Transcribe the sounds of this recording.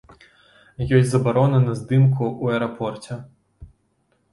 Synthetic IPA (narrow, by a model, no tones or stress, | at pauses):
jɔsʲzɐbaɾɔnɐnɐzd̪ɨmkʰuuɛɾɐpʰɔrt͡sʲɛ